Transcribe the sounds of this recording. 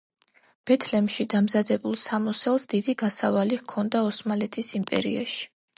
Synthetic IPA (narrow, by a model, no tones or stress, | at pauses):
b̥ɛt̪ʰlɛmʃid̪amzad̪ɛbulˠsamɔsɛlˠsd̪id̪iɡasavalikʰɔnd̪aɔsmalɛt̪ʰisimpʼɛ̰ɾḭa̰ʃi̥